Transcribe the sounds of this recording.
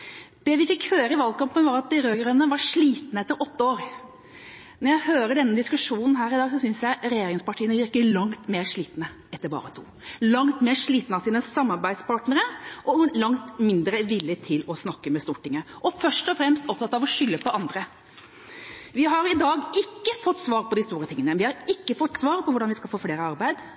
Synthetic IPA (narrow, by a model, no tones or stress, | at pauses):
d̪̥ɛʋɪfɪkhøːɾəɪʋɑlkɑmpənʋɑɾɑt̪̚d̪ɪɾøːɡəɾənːəʋɑʂɭiːt̪nəɛt̪ːəɾʔɔt̪ːəoːɾ | nɔɾjæɪhøːɾəɖɛnːəd̪ɪskʉʂuːnn̩ɦæːɾɪd̪ɑːɡsɔsʏnsjæɪɾɛjeːɾɪŋspɑʈʰiːənəʋɪɾkəlɑŋt̪meːɾʂɭiːt̪nə | ɛt̪ːəɾbɑ̰ːɾət̪ʰṵː | lɑŋt̪meːɾʂɭiːt̪nəɑsiːnəsɑmːɑɾbæɪd̪spʰɑːʈnəɾəʔɔlɑŋt̪mɪnd̪ɾəʋɪlːət̪ʰɪlɔsnɑkːəmɛst̪uːʈɪŋːəʔɔfœʂʈɔfɾɛmst̪ɔp̚t̪ɑt̪ːɑʋɔʂʏlːəpɔɑnd̪ɾə | ʋɪɦɑɾɪd̪ɑːɡɪkːəfɔt̪ːsʋɑːɾpʰɔd̪ɪst̪uːɾət̪ɪŋənəʋɪhɑɾɪkːəfɔt̪ːsʋɑːɾpʰɔʋʊɖɑnʋɪskɑlfoːfleːɾəɑɾbæɪd̪